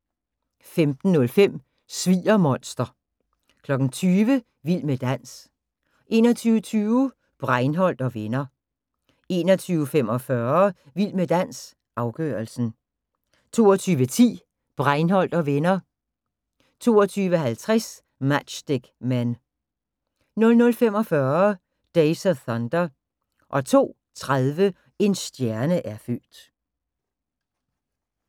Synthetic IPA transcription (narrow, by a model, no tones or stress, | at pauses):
femd̥n̩ːɔ̽lfem̰ | sʋḭːɐmɒ̽n̰sd̥ɐ | kʰlɒ̽ɡ̥n̩t͡sʰyːʋə | ʋil̰məd̥æn̰s | ʔe̝ːnɒ̽t͡sʰyːʊət͡sʰyːʊ | b̥ʁɑ̈ɪnɦɒ̽l̰d̥ɒ̽ʋenɐ | e̝̰ːnɒt͡sʰyːʊfem̰ɒ̽fɶːɐ | ʋil̰məd̥æn̰s | ʔɑ̈ʊɡ̥œ̰ːɐlsn̩ | t͡sʰo̝̰ːɒt͡sʰyːʋət͡sʰḭː | b̥ʁɑɪnɦɒ̽l̰d̥ɒ̽ʋenɐ | t͡sʰo̝ːɒt͡sʰyːʋəhælt͡sʰʁas | mæd̥ɕd̥eɡ̥mæn | nɔ̽lnɔ̽lfem̰ɒ̽fɶːɐ | d̥eɪsəθɒnd̥ɐ | ʔɒ̽t͡sʰo̝̰ː | t͡sʰʁaðˠʋə | e̝nsd̥jæɐnəʔæɐføld̥